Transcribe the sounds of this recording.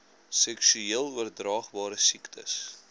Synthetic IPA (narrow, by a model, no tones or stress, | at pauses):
sɛksyiəlˠuərdrɑːχbɑːɾəsiktʰə̰s